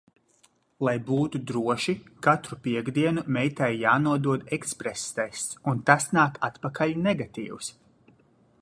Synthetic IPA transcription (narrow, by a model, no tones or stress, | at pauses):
lˠajbuːt̪ud̪ɾuɔʃikat̪ɾupiɛɡd̪iɛnumɛjt̪ɛjjaːnuɔd̪uɔd̪ɛkspɾest̪ɛjst̪sunt̪asnaːkat̪pakʰaʎʲnɛɡat̪ḭːws